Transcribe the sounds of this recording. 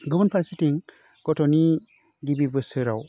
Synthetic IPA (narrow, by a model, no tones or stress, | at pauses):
ɡɔbənpʰaɾsitiŋ | ɡɔtʰɔni | ɡibibɯsɯɾa̰w